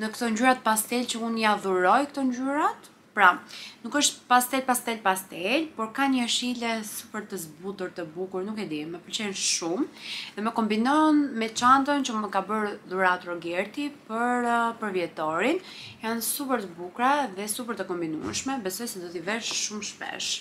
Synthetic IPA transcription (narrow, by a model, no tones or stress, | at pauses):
nəkt̪ɔɲd͡ʑyɾat̪̚past̪ɛlt͡ɕəunjaðuɾɔjkt̪ɔɲɟyɾat̪ | pɾanukəʃt̪past̪ɛlpast̪ɛlpast̪ɛlpɔɾkaɲəʃilɛsupəɾt̪əzbut̪uɾt̪əbukuɾnukɛd̪imɛpəlt͡ʃɛnʃumðɛmɛkɔmbinɔnmɛt͡ʃant̪ənt͡ʃəməkabəɾðuɾat̪ɾɔɡɛɾt̪ipəɾpəɾvjɛt̪ɔɾinjansupəɾt̪əbukɾaðɛsupəɾt̪əkɔmbinṵɛ̰ʃmɛbɛsɔjsɛd̪ɔt̪ivɛɾʃumʃpɛ̰ʃ